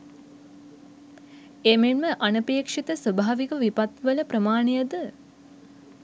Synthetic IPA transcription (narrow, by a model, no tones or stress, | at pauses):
emenməʔanəpeːkʂit̪əsʋəbʱaːʋikəʋipat̪ʋələpɾəmaːɳejəd̪ə